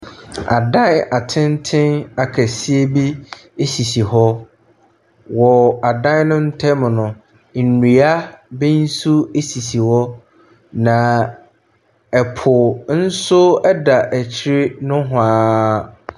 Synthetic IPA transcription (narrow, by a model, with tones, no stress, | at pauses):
a̰˨dã˦na˨tʰɪ̃˦n˦tʰɪ̃˦na˨kʰæ˨si˦e˦bi˦e˦si˨si˨hɔ˦ | wɔ˨a˨dã˦n˦nʊ̃˦n̩˦tʰɛ˦m˨nʊ̃˨ | n̩˨ni˨a˦bɪ̃˦n̩˦su˦e˦si˨si˨hɔ˦ | nã˨ | ɛ˨pʰʊ˨n̩˦sʊ˦ɛ˦da˨ʔæ˨t͡ɕʰɪ˦ɾɪ˦nʊ̃˦ɦʊ̃˨aː˦